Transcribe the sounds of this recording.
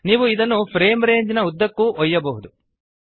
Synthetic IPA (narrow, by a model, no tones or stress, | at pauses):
niːʋuid̪ɐnːupʰɾeːmɾe̞ːɲd͡ʒinɐud̪ːɐkːuʔɔjːɐbɐɦud̪u